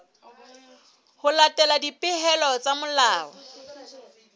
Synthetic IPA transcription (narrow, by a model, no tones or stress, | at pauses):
hʊlatʼɛladipʼɪɦɛlɔt͡sʼamʊlaːwɔ